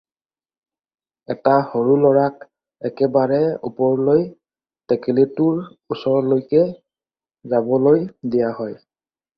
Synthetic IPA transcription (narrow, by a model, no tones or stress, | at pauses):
ɛtahoɹulɔɹak̚ | ɛkɛbaɹɛṵpɔɹloj | tɛkelitʊɹ | usɔɹɔlojkɛ | zabɔlojdijaɦɔj